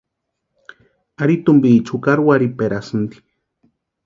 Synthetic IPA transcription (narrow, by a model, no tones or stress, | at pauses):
aɾit̪umbit͡ʃʰukaɾwaɾipeɾasɨnd̪i̥